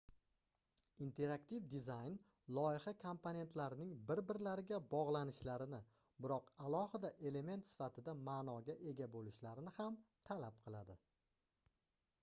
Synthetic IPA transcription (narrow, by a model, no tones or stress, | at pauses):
int̪ʰe̞ɾakt̪ʰivd̪ɪzajn | lˠɒɪχakʰompʰone̞nt̪ʰlaɾɪnɪŋbɪɾbɪɾlaɾɪɡʲabɒʁlˠanɪʃlaɾɪnɪ | bɪɾɒqalˠɒhɪd̪aʔe̞le̞me̞nt̪sɪ̥fat̪ʰɪd̪amaːnɒɡʲaʔe̞ɡʲabolɪʃlaɾɪnɪhamt̪ʰalap̚qʰɨlˠad̪ɪ